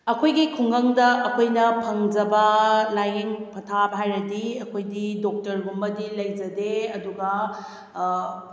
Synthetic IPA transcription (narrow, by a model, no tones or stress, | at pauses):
ɐkʰojɡikʰuŋɡɐŋdɐʔɐkʰojnɐpʰɐŋd͡ʒɐbɐlajiŋpʰɐtʰabɦajɾɐdiɐkʰojdidok̚tɐɾbumːɐdilɐjd͡ʒɐdeɐduɡɐ